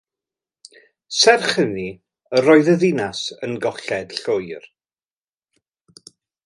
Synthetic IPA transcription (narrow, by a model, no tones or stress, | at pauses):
sɛrχəni | əɾɔɨðəðɪnasənɡɔɬɛd̥ɬʊjr